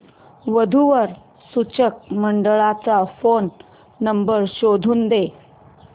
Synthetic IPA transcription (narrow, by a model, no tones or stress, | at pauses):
ʋəd̪ʱuʋəɾ | sut͡ɕək̚məɳɖəɭat͡safonː | əmbəɾɕod̪ʱuːnd̪e